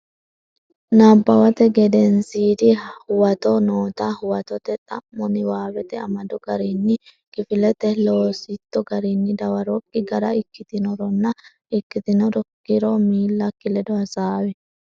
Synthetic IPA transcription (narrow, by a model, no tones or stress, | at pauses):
naːbːɐwɐt̪ɛɡɛd̪ɛnsiːd̪ɪhʊwɐt̪ɔnoːt̪ahʊwɐt̪ɔt̪ɛt̪ʼɐmːɔnɪwaːbɛt̪ɛɐmɐd̪ɔɡɐɾinːɪkʼɪfɪlɛt̪ɛloːsɪt̪ːɔɡɐɾinːɪd̪ɐwɐɾɔkʼːɪɡɐɾɐɪkːɪt̪ɪnɔɾɔnːɐ | ɪkːɪt̪ɪnɔdɔkːɪɾɔmiːlːɐkːɪlɛd̪ɔhɐsaːwɛ